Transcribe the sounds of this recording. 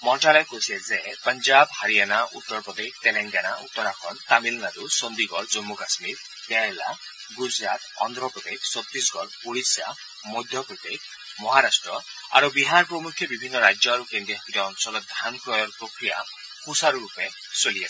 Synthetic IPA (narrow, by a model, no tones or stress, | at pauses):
mɔɳʈalɔkosezepəɲd͡ʒabhaɾijanaʔut̪ːɔɾpɾɔd̪ek̚ʰt̪eleŋɡanaṵt̪ːɔɾakʰɔnt̪amilnaɾusɔnd̪iɡɔɾd͡ʒɔmːukasmiɾ | bjaela̰ | ɡud͡ʒɾat̪ɔ̰nd̪ɾɔpɾɔd̪ekʰsɔt̪ːɾisɡɔɾ | uɽisa̰ | mɔjd̪ʱjɔpɾɔd̪ek̚ʰ | mɔɦaɾasʈɾɔ | a̰ɾubiɦaɾpɾɔmukʰjɔbibʱinːɔɾad͡ʒɔaɾukend̪ɾiɦɔkiɾɔɔnsɔlɔd̪ʱanpɾɔjɔɾpɾokɾija̰ | hʰusaɾuɾupe | solias